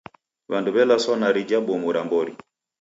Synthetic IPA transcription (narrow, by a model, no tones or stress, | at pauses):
βanduβɛlasɔnaɾid͡ʒabɔmuɾambɔɾi